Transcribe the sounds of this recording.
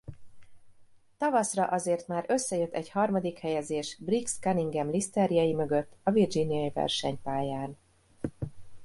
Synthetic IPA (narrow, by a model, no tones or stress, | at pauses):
t̪ɒvɒsrɒʔɒzeːrt̪maːɾø̞sːɛjøt̪ːɛɟhɒrmɒd̪ikhɛjɛzeːʃbrikskɛniŋɡɛmlist̪ɛɾijɒjimø̞ɡøt̪ːɒvird͡ʒinijɒjivɛ̰rʃɛɲpaːjaːn